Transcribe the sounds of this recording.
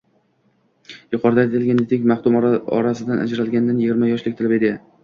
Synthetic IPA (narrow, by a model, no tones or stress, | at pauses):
jʊqʰɒɾd̪aet̪ʰɪlɡʲand̪ed̪ekʲmaχt̪ʊmɒ̰ɾasɪd̪anʔa̰d͡ʒɾalɡʲand̪anjɪɡʲiɪɾmajɒʃlɪkʲt̪ʰɪlɪbe̞d̪ɪ